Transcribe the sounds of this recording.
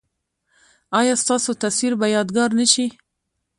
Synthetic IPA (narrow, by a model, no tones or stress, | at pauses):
ɑjɑst̪ɑsot̪aswiɾbajɑd̪ɡɑɾnəʃi